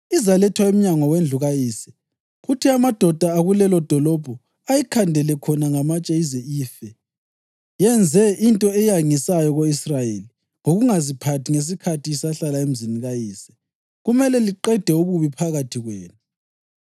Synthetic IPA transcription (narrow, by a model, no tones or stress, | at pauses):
izalɛtʰwaem̩ɲaŋɔwend͡ɮʱuɣajiːsɛ̥ | ɣutʰiamad̥ʱɔd̥ʱaːɣulɛlɔd̥ʱɔlɔb̥ʱɔ | ajikʰandʱɛlɛkʰɔnaŋamat͡ʃʼeizɛiːfɛ | jɛnd͡zʱɛʔintʼɔɛjaŋisajɔɣoisrajeːli | ŋoɣuŋazipʰatʰiŋes̬ikʰatʰiisaɬalaem̩ziniɣajiːsɛ̥ | ɣumɛlɛliǃɛd̥ʱɛuβuβipʰaɣatʰiɣwɛːnu